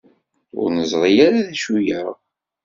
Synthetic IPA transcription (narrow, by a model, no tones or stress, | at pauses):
ʊ̰ɾnəzˤʁijaɾaðæʃujəʁ